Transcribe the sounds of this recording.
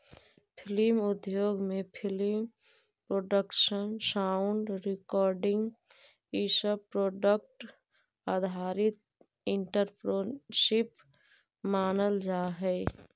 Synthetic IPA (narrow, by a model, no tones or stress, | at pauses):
pʰɪlimʊd̪joːɡmepʰɪlim | pɾoːɖəkʃənsaʊɳɖɾɪkɔːɾɖɪ̃ŋɡ | isəbpɾoːɖək̚ʈ | ad̪ʱaːɾɪt̪̚ | ɪɳʈəɾpɾoʃɪp | maːnəld͡ʒaːɦɛɪ